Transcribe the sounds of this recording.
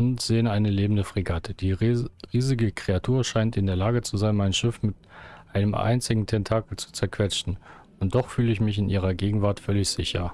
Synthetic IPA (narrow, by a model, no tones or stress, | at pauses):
ʔʊntz̥eːənaɪnəleːbmn̩dəfʁ̥iɡatʰəd̥iːʁiːzɪɡəkʁ̥eatʰuːɐʃaɪntɪndeːɐlaːɡət͡suzaɪnmaɪnʃɪfmɪtʔaɪnəmʔa̰ɪnt͡sɪɡŋ̩tʰɛntʰaːkl̩t͡su̥t͡sɛɐkv̥ɛt͡ʃn̩ | ʊnt̚d̥ɔχfyːləɪçmɪçɪnʔiːʁ̞ɐɡeːɡŋ̩vaɐtfœlɪçz̥ɪçɐ